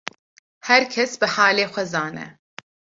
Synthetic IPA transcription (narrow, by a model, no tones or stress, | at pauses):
hɛɾkʰɛsbɨhaːleːxʷɐzaːnɛ̰